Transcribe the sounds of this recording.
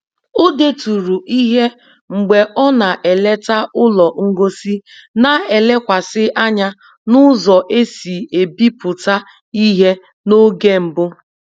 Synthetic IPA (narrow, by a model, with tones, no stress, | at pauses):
o˦de˦tu˨ɾu˨ʔi˦ɦe˦ | ŋ͡m̩˨ɡ͡be˨ʔɔ˦na˨ʔe˨le˦ta˦ʊ˦lɔ˨ŋ̩˦ɡo˦si˦na˨e˨le˦kʷa˨sɪ˦ʔa˦ɲa˦ | nʊ˦zɔ˨ʔe˦si˨e˨bi˦pʊ˨ta˦ | i˦ɦe˦ | no˦ɡe˦m̩˨bʊ˦